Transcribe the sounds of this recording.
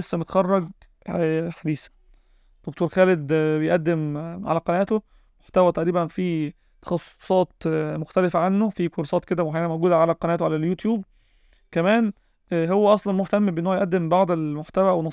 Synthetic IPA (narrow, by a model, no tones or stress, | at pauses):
esːæmet̪xɑrˤːɑɡ | ħad̪iːsæ̥ | d̪̥ok̚t̪oːɾxæːled̪bejʔæd̪ːemʕa̰læqɑnæːt̪o | moħt̪æwæt̪æʔɾiːbænfi | t̪ɑ̥xɑsˤːo̥sˤɑːt̪moxt̪ælefæʕanːofikoɾˤɑsˤɑːt̪̚ked̪æwħajænænmowɡuːd̪æʕalæqɑnæːt̪oʕalæljut̪juːb̚ | kæmæːn | ɦowːæʔɑsˤlɑnmoħt̪æmːbʔenːowjʔæd̪ːembɑʕd̪ˤelmoħt̪æwæwenɑ